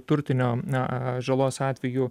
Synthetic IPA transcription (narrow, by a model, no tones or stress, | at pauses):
t̪ʊɾʲt̪ʲɪnʲoːɐʒɐlˠoːsɑːt̪ʲʋʲɛju